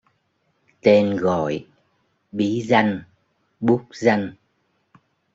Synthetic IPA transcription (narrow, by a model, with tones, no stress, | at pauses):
t̪e˧nɣɔ̰˧˨j | ɓi˨˦za˧jŋ | ɓu˦˥k͡p̚za˧jŋ̟